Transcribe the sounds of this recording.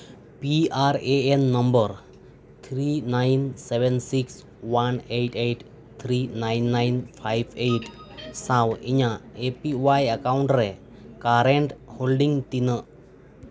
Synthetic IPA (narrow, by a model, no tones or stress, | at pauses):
piaɾeenːɔmbəɾ | t̪ʰɾinajnsebɛnsiks | waneʈejʈ | t̪ʰɾinajnːajnpʰajbʰejʈsawiɲaepiwajakawɳʈɾɛ | kaɾeɳʈholɖiŋt̪inəʔ